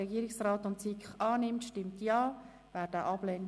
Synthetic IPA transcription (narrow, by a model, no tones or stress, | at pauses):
ɛɡiːəɾɪksraːtʊntsikχɑːnɪmtʃtɪmtjɑː | væːɾd̥əʔɑb̥lɛn